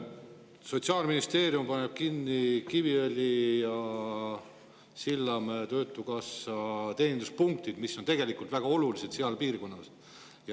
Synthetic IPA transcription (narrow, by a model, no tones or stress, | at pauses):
so̞t̪siɑːlminist̪e̞ːɾjumpɑneb̥̚kinːikiviølʲijɑ | silːɑmet̪ø̞ːt̪ːˑukɑsɑt̪e̞ːnind̪uspuŋk̚t̪id̪̥miso̞nt̪e̞ɡ̥e̞likˑult̪væɡ̥ɑo̞lulise̞d̪siɑlpiːrko̞nːɑs | jɑ